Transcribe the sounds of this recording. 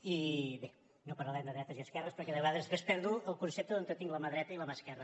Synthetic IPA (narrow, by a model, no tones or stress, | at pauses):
iβe | nopəɾləlɛmd̪əðɾɛt̪əziəskɛrəspɾəɾkɛðəβəɣaðəspespɛɾðuəlˠkunsep̚t̪əðont̪ət̪iŋɡləməðɾɛt̪əiləmaskɛrə